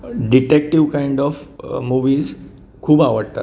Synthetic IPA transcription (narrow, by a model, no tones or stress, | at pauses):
ɖiʈek̚ʈiʋkaiɳɖɔfmuʋiːz | kʰuːbaʋəɽt̪a̰t̪